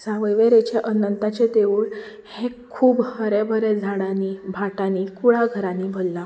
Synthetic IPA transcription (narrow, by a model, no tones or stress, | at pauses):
saʋəjʋeɾet͡ɕeʔənənt̪at͡ɕed̪eʋuːɭ | hẽkʰuːbhəɾebʱəɾed͡zʱaɽanibʱaʈanikuɭaɡʱəɾãnibʱolːa